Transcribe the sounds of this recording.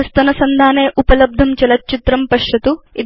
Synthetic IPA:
ɐst̪ɐnɐsɐnd̪ʱaːneːʔupɐlɐb̚d̪ʱɐmt͡ʃɐlɐt̪̚t͡ʃit̪ɾɐmpɐʂjɐt̪ui

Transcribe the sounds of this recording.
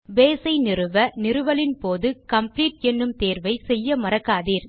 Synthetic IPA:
ʋeːsɐɪnɪrɯʋɐnɪrɯʋɐlɪnpoːðɯkɐmpliːʈ̚ɛnːɯmt̪eːɾʋɐɪsɛjːɐmɐɾɐkːaːðiːɾ

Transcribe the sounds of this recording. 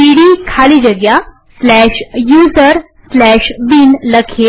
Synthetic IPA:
iɽikʰalid͡ʑəɡja | slɛɕjuzəɾ | slɛɕbiːnləkʰe

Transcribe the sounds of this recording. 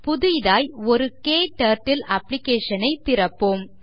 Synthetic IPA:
pʊðʊjðaːjɔɾɯkeːʈɐɾʈːɪlɐplɪkeːʂɐnɐɪt̪ːɪɾɐpːoːm

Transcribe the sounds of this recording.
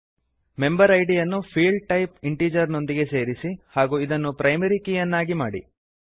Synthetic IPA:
me̞mbɐɾɐjɖijɐnːupʰiːɭɖ̚ʈɐjp̚iɳʈiːd͡ʒɐɾno̞nd̪iɡe̞seːɾisihaːɡuːid̪ɐnːupɾɐjmɐɾikijɐnːaːɡimaːɽḭ

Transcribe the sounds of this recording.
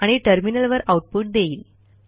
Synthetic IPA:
aɽ̃iʈəɾminəlʋəɾauʈ̚puʈ̚d̪eiːl

